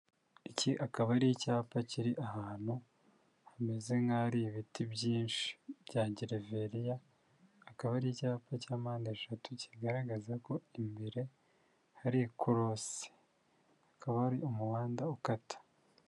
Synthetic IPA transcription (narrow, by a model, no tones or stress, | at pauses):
iciʔakaβaɾijicaːpaciɾiʔahaːn̥hu | hame̞ze̞ŋɡaɾiβitibɟiːnʃi̥b̥ɟaːɟiɾeve̞ɾijaː | kaβaɾijicaːpacaːmaːndeʃatuciɡaɾaɡazako̞imbeɾe̞ | haɾikuɾos | hakaβahaɾiomuwaːndaukatḁ